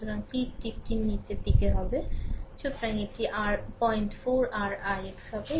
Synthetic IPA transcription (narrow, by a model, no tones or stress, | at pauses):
ut̪oɾaŋpipʈip̚ʈinːit͡ɕepikeɦɔbeʃut̪ʰoɾaŋek̚ʈiʔaɾpɔjɳʈfʰoɾaɾajeksɦɔbe